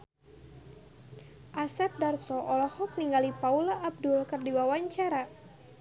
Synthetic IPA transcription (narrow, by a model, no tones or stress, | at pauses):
ʔasɛp̚darsɔʔɔlɔhɔk̚niŋɡalipaulaʔːb̚dʊlkɨrdiwawaɲt͡ʃaɾa